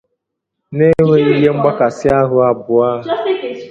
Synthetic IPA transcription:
ne˦ŋʷe˦i˦ɦe˦ŋ͡m̩˦ɡ͡ba˦ka˨sɪ˦a˦ɦʊ˦a˨bʊ˨a˦ɦ

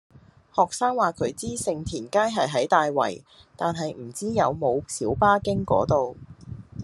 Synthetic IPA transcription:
hɔː˨˩k̚saː˥ŋwaː˨˩kʰɵ˨˧ɥt͡siː˥sɪ˧ŋt̪ʰiː˨˩nkaː˥jɦɐ˨jɦɐ˨˥jt̪aː˨jwɐ̰˨˩j | t̪aː˨nɦɐ˨jm̩˨˩t͡siː˥jɐ˨˧wmo˨˧wsiː˨˥wpaː˥kɪ˥ŋkɔ̰ː˨˥t̪o˨w

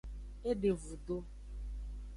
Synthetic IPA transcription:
e˦ɖe˨vu˨d̪o˦

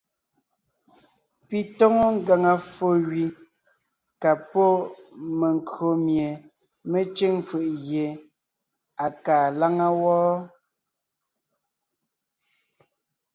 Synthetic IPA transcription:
pi˨tɔ˦ŋo˦ŋ˦ɡa˨ŋa˨fo˨ɣɥi˨ | ka˨pɔ˦me˨ŋ˨kɰo˨mje˨ | me˦t͡ʃe˦ŋfɯ˨ʔɣje˨ | a˨kaː˨la˦ŋa˦wɔː˦

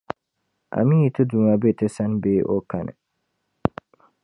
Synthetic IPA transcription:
ʔa̰˨mĩ˦i˨tʰʊ˦dũ˨ã˨bɛ˦tʰɪ˦sã˦nbeː˦ʔo̰˦kʰa˨nɪ̰̃˨

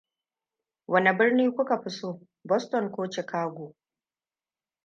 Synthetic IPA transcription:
wʔɐ˦ni˨bɪ˦rniː˦kʷʊ˦ka˨ɸɪ˦soː˦ | bɔ˦stɔ˨ŋkʷoː˦t͡ʃɪ˨kaː˦ɡʷoː˨

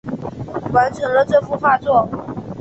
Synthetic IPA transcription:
wa˧˥nt͡sʰə˨˩ŋlə˧˦ʈ͡ʂɤ˥˧fu˥˧fa˥˧t͡swɔ˥˩

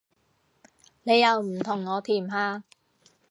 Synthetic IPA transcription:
ne˨˧jːɐ˨˧wm̩˨˩t̪ʰʊ˨˩ŋːɔː˨˧t̪ʰiː˨˩mɦaː˧

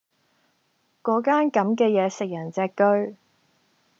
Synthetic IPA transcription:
kɔː˨˥kaː˥nkɐ˨˥mkɛː˧jɛː˨˧sɪ˨k̚jɐ˨˩nt͡sɛː˧kːɵ˥ɥ

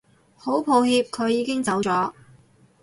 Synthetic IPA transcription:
ho˨˥wpʰo˨˧wɦiː˧p̚kʰɵ˨˧ɥjiː˨˧kɪ˥ŋt͡sɐ˨˥wt͡sɔː˨˥

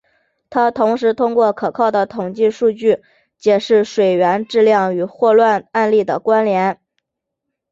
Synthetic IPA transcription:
t̪ʰa˥t̪ʰʊ˧˥ŋʂɻ̩˧˥t̪ʰʊ˥ŋkwɔ˥˩kʰɤ˨˩kʰɑ˥˩ʊd̪ə˩t̪ʰʊ˨˩ŋt͡ɕi˥˧ʂu˥˧t͡ɕy˥˩ | t͡ɕjɛ˨˩ʂɻ̩˥˩ʂwe˨˩ɪɥɛ˧˥nʈ͡ʂɻ̩˥˧ljɑ˥˩ŋy˨˩xwɔ˥˧lwa˥˧na˥˧nli˥˩d̪ə˩kwa˥nljɛ˧˥n

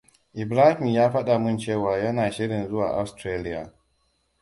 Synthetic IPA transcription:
ʔɪ˨bɾaː˦hɪ˨mjaː˦ɸɐ˦ɗa˨mʊ˦nt͡ʃeː˦˨waː˨jɐ˦naː˨ʃɪ˦ɽɪ˨nzʊ˦wa̰ː˨ʔa˨˦wstɾeː˦lɪ˦ja̰˨

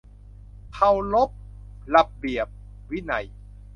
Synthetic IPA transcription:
kʰa˧wlo˦˥p̚ | la˧p̚bi˨˩əp̚ | wi˦˥na˧˩j

